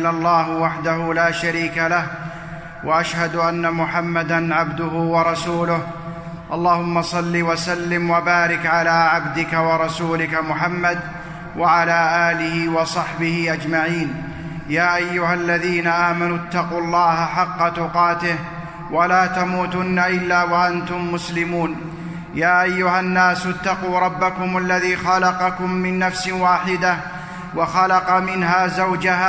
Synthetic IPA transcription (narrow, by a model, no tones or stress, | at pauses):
lalˤːaːhwaħd̪ahʊlaːʃaɾiːkalah | wʔaʔaʃhad̪ʔanːamʊħamːad̪anʕabd̪ʊɦʊwɑɾˤɑsuːlʊh | ʔɑlˤːɑːhʊmːɑsˤɑlːiwasalːɪmwabaːɾɪkʕalaːʕabd̪ɪkawɑɾˤɑsuːlɪkamʊħamːad̪ | wʔaʕalaːʔaːlɪhɪwɑsˤɑħbɪhɪʔad͡ʒmaʕiːn | jaːʔajːʊhalːaðiːnaʔaːmanʊt̪ːɑquːɑlˤːɑːhaħɑqːɑt̪ʊqɑːt̪ɪh | walaːt̪amuːt̪ʊnːaʔɪlːaːwaʔant̪ʊmːʊslɪmuːn | jaːʔajːʊhanːaːsʊt̪ːɑquːɾˤɑbːakʊmalːaðiːxɑlɑqɑkʊmːɪnːafsɪwaːħɪd̪ah | wɑxɑlɑqɑmɪnɦaːzawd͡ʒahaː